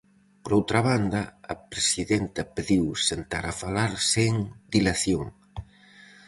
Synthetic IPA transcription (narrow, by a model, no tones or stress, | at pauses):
poɾowt̪ɾaβ̞and̪ɐːpɾesiðɛnt̪ɐpeðiwsent̪aɾafalaɾseŋd̪ilaθjoŋ